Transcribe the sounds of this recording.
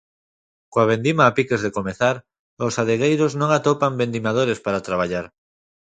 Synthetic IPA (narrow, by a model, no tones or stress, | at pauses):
koaβ̞end̪imaːpikezðekomeθaɾ | osaðeɣ̞ejɾoznõŋat̪opambend̪imað̞oɾespaɾat̪ɾaβ̞aʎaɾ